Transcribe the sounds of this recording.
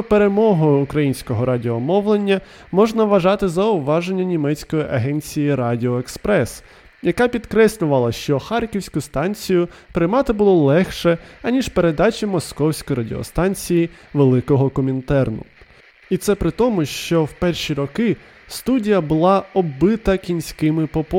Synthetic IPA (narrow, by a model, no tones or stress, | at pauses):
ɔpeɾe̞mɔɦɔjʊːkɾɐjinʲsʲkɔɦɔɾʔɑdʲɪɔmɔwlˠenʲːɐ | mɔʒnɐʋɐʒɑt̪ɪzɐʊʋɑʒenʲːɐnʲimɛt͡sʲkɔjiʔɐɦɛnʲt͡sʲijiɾɑdʲɪɔekspɾɛs | jɐkɑpʲid̪kɾɛslʲʊʋɐlˠɐʃt͡ʃɔxɑrkʲiwsʲkʊst̪ɑnʲt͡sʲijʊpɾɪmɑt̪ɪbʊlˠɔlˠɛxʃɛɐnʲiʃpe̞ɾe̞d̪ɑt͡ʃʲimɔskɔwsʲkɔjɾɐdʲɪɔ̰st̪ɑnʲt͡sʲiji | ʋelˠɪkɔɦɔkɔmʲint̪ɛrnʊ̰ | it̪sɛpɾɪt̪ɔmʊʃt͡ʃɔwpɛrʃʲiɾɔkɪ | st̪udʲijɐbʊlˠɑɔbɪt̪ɐkʲinʲsʲkɪmɪpɔp